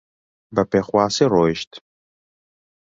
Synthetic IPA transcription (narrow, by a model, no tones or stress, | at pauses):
bɐpʰeχʷaːsɨroʃtʰ